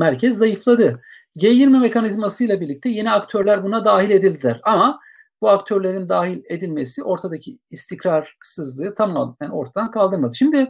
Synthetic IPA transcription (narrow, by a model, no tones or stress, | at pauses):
mæɾcʰɛzːajɯflˠad̪ɯ | ɟejiɾmɛme̞kʰanizmasɯjlˠabiɾlʲic̚t̪ʰɛje̞niakt̪ʰø̞ɾlʲæɾbunad̪aːɦilʲe̞d̪ilʲd̪ilʲæɾama | buakt̪ʰøɾlʲe̞ɾind̪aːɦilʲe̞d̪ilʲme̞siʔo̞ɾt̪ʰad̪acʰiːst̪ʰicɾaɾsɯzlˠɯːt̪ʰamæno̞ɾt̪ʰad̪ankʰalˠd̪ɯɾmad̪ɯʃimd̪ɪ